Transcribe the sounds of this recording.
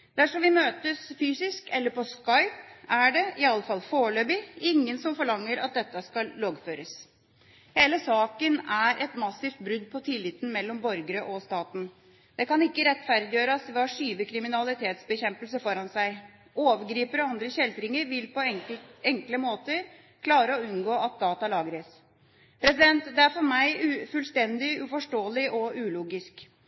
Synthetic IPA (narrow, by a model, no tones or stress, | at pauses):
d̪æʂɔmʋɪmøːt̪əsfyːsɪskɛlːəɾpʰɔskɑɪpæɖɛɪɑlːəfɑlːfoːɭøːbɪɪŋːənsɔmfɔɭɑŋːəɾɑ̰t̪̚d̪ɛt̪ːəskɑlːɑːɡføːɾəs | heːləsɑːkənæɾʔɛt̪mɑsːɪft̪̚bɾʉd̪̚pʰɔt̪ʰɪlːɪt̪ːn̩mɛlːɔmbɔɾɡəɾəʔɔst̪ɑːt̪n̩ | d̪ɛkɑnɪkːəɾɛt̪ːfæɾd̪ɪjøːɾɑsʋɑʂyːʋəkʰɾɪmɪnɑlɪt̪ʰeːt̪sbəçɛmpəls̬əfɔɾɑnsæɪ | oːʋəɾɡɾiːpəɾɔɑnd̪ɾəçɛld̪ɾɪŋəɾʋɪlpɔɛŋkləmoːt̪əɾ | kʰlɑːɾəɔʉnɡoːɑt̪̚d̪ɑːt̪ɑlɑːɡɾəs | pʰɾɛsɪd̪ɛnt̪d̪ɛæɾfɔɾmæɪʉfʉlst̪ɛnd̪ɪʉfɔʂʈoːlɪʔɔʉːluːɡɪsk